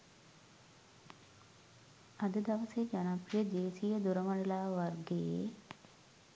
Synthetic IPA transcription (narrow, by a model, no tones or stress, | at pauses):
ɐd̪əd̪ɐʋəsed͡ʒanaprijəd̪eːsijəd̪uɾəmaɳelaːʋarɡeje